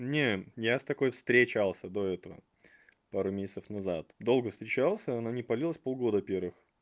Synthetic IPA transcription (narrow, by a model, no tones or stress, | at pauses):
nʲejast̪ɐko̞jfst̪ɾʲet͡ɕalˠsʲəd̪o̞ɛt̪əvə̰ | paɾʊmʲesʲɪt̪səfnɐzat̪d̪o̞lˠɡəfst̪ɾʲɪt͡ɕalˠsʲəɐnanʲɪpɐlʲilˠəsʲpo̞lˠɡo̞d̪əpʲe̞rvɨx